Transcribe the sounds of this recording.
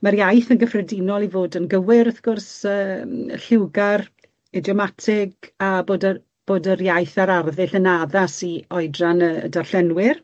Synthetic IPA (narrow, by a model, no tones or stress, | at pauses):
məɾjajθənɡəfrɛdɪnɔlˠivoːdənɡəwɪɾəθɡ̥ʊrsəːɬɪwɡar | ɛdjɔmatʰɪɡaboːdə | b̥oːdərjajθaɾarðɪɬənaðasiɔɨdranə̰darɬɛnwɪr